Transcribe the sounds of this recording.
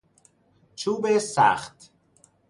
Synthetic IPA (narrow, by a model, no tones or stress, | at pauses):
t͡ʃʰuːbesæ̰ːχt̪